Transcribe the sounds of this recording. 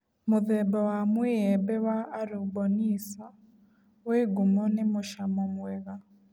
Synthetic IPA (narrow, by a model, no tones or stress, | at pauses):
mʊðɛbɔwamwiɛbɛwaːɾubɔnisa | weɡumɔnemoʃamɔmwɛɣa